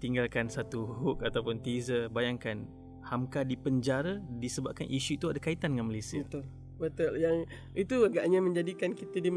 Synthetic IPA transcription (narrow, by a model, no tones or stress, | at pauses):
t̪iŋɡalkansat̪uɦuk̚at̪awpʊnt̪izəbajaŋkan | hamkadipəɲd͡ʒaɾadisəbap̚kanʔiʃuit̪uadakait̪andəŋanmalejsiəət̪ʊl | bət̪ʊljaŋ | it̪uaɡaʔɲamə̃ɲd͡ʒadikankit̪ədim